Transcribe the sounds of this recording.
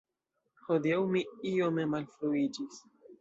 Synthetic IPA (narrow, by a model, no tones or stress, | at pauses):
hodiawmiiomemalfɾuid͡ʒis